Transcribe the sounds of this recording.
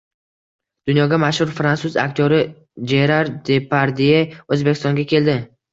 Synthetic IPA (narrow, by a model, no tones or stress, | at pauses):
d̪̥ʊnjɒɡʲamaʃhʊɾfɾansʊza̰kʲt̪ʰjoɾɪ | d͡ʒeɾaɾd̪epʰaɾd̪ieɵzbekʲɪ̥st̪ɒŋɡʲakʲʰe̞ld̪ɪ